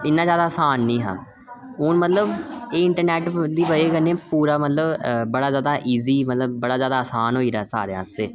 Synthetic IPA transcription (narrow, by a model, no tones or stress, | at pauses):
ɪnːãːzjaːd̪aːəsaːnːĩːɦã̰ː | ʊːnmət̪ləbeːɪɳʈəɾnɛːʈd̪iːbəeːkənːẽːpuːɾaːmət̪ləbbəɽaːzjaːd̪aːʔiːziːmət̪ləbːəɽaːzjaːd̪aːsaːnɦoːiːɾaːsa̰ːɾeːa̰ːst̪eː